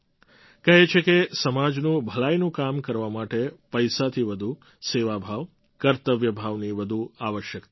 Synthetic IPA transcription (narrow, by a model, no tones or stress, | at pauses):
kəɦet͡ʃʰekesəmad͡ʒnũbʱəlajnũkamkəɾʋamaʈepəjsat̪ʰiʋəd̪ʱu | seʋabʱaʋ | kəɾt̪əʋjəbʱaʋniʋəd̪ʱuaʋəʃjək